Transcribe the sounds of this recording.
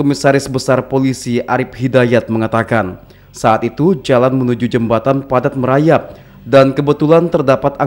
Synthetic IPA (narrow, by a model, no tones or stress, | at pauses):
omisaɾɪsbəsarpolisiʔaɾɪp̚hidajat̪̚məŋat̪akan | saat̪it̪ud͡ʒalanmənud͡ʒud͡ʒəmbat̪anpadat̪̚məɾajap̚ | dankəbət̪ulant̪ərdapat̪a